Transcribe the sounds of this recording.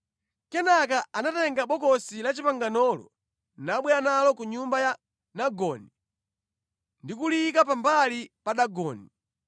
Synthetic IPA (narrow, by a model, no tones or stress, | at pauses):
kɛnakaanatɛŋɡaɓɔkɔsilat͡ʃipaŋɡanɔlɔ̰ | naɓwɛanalɔkuɲumbaja | naɡɔːni | ndikulikapambalipaɗaɡɔːni